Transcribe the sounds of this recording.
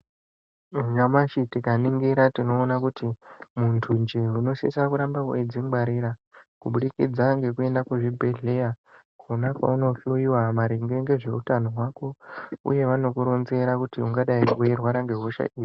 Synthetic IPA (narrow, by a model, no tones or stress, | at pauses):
uʒamaʃitikaniŋɡiɾatino̞ːnakutʰimuntʰund͡ʒeuno̞sḭsakuɾambaued͡ziŋɡ͡baɾiːɾakuɓuɗikḭd͡zaŋɡe̞kue̞ndakuʐibʱe̞ɮe̞ja | kʰonakwa̰uno̞ɬuiwamaɾiŋɡe̞ŋɡe̞ʐe̞utano̞ɦwako̞ṵje̞ʋano̞kuɾo̞nze̞ɾakutiuŋɡaɗaikuerwaɾaŋɡe̞ɦoʃa̰ʔiːʐi